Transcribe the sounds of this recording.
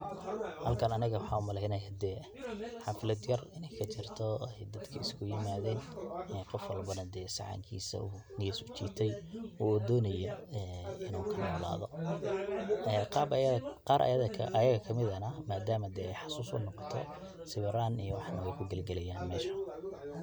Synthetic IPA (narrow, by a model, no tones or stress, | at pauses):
hɐlkʰɐnɐnɪɣɐwɑħɑːʊmɐlɛhnɐjɐd̪ɛː | ħɑfɪlɐd̪jɐrɪnɛjkʰɐt͡ʃɪrt̪ʰɔɛjd̪ɐd̪kʰɐɪskʰʊjɪmaːðɛːnɛqɔfwɑlbɐnɐd̪ɛːsɑ̰ʕɑ̰ŋkʰḭːsɐ̰unɪɛsʊt͡ʃḭːt̪ʰɛjwɔd̪ɔːnɐjɐɛɪnuːkʰɐnɔːla̰ːðɔ | ɛqɑbqɑːɾʔɐ̰jɐðɐʔɐjɐɣɐkʰɐmɪðɐnɐmaːd̪aːmɐd̪ɛɛjħɑsuːsʊ̰nɔqɔ̥t̪ʰɔ̰ | sɪβɛɾaːnijɔwɑħnɐwɛjkʰʊɡɐlɡɐlɛjaːnmɛːʃɐ̥